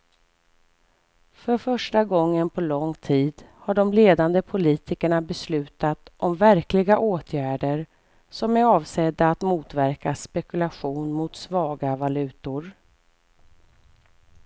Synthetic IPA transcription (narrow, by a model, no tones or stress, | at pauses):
fœɾfœʂʈaɡɔŋːənpʰɔlɔŋt̪ʰiːd̪haɖɔmleːd̪and̪əpʰʊliːt̪ʰɪkəɳabɛslʉ̟ːt̪at̪ʔɔmvæɾklɪɡaʔoːt̪ʰjæːɖəɾ | sɔmæɾɑːvsɛd̪ːaːt̪muːt̪væɾkaspɛkɵlaɧuːnmʊt̪svɑːɡavalʉ̟ːt̪ʊɾ